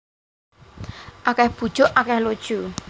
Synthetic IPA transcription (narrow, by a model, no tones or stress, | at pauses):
ʔakɛhb̥ṳd̥ʒ̥ʊʔakɛhlod̥ʒ̥u